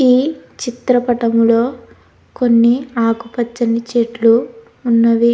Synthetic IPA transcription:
iːt͡ʃit̪ɾɐpɐʈɐmulo̞ː | ko̞nːiaːkupɐt͡ʃːɐnit͡ʃeːʈluː | nːɐʋi

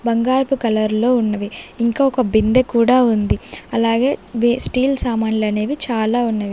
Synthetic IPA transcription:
bɐŋɡaːɾpukɐlɐɾlo̞ːunːɐʋiiŋkaːɔkɐbind̪ekuːɽaːund̪iɐlaːɡe̞ːbsʈiːlsaːmaːnlɐneːʋit͡ʃaːlaːunːɐʋi

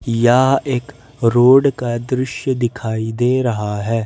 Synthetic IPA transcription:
jaːeːk | ɾoːɖkad̪ɾɪʃjd̪ɪkʰaːiːd̪eːɾɐɦaːɦɛː

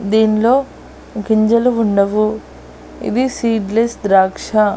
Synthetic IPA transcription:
d̪iːniloː | kiɲd͡ʒɐluuɳɖɐʋu | ḭd̪isiːɖlesd̪ɾaːkʂɐ

